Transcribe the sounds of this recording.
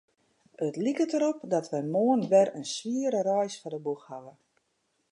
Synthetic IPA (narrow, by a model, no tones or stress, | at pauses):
ətlikətəɾɔpdɔtʋɛjmoənʋɛrənsʋiəɾərɔjsfɔdəbuxhaʋə